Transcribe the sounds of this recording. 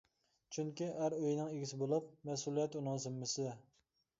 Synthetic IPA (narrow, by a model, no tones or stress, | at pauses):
t͡ʃʰyŋkʲiæɾøjnɪŋeɡʲisɪbolˠup̚mɛsulˠijɛt̪unɨŋzɪmːɪsɪd̪ɛ